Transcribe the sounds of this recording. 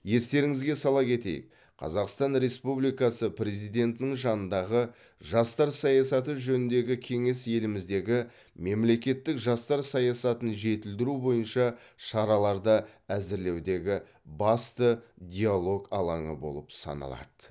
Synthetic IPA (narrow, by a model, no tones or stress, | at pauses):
je̞st̪e̞ɾɪŋɪzɡʲe̞sɑlˠɑpkʲe̞t̪e̞̰jɪ̰k | qʰɑ̰zɑqst̪ɑnɾe̞spublijkɑsəpɾe̞zijd̪ʲe̞nt̪ɪnɪŋʒɑnənd̪ɑʁə | ʒɑst̪ɑɾsɑjɑsɑt̪əʒɵnɪnd̪e̞ɡʲɪkʲʰe̞ŋe̞sje̞lɪmɪzd̪e̞ɡʲɪ | me̞mle̞kʲe̞t̪ːɪkʒɑst̪ɑɾsɑjɑsɑt̪ənʒe̞t̪ɪld̪ɪɾubo̞jənʃɑ | ʃɑɾɑlˠɑɾd̪ɑæzɪɾle̞wd̪e̞ɡʲɪ | bɑst̪əd̪ʲijalˠo̞ɡɑlˠɑ̰ɴə̰bo̞̰lˠəpsɑ̰nɑ̰lˠɑ̰d̪̥ə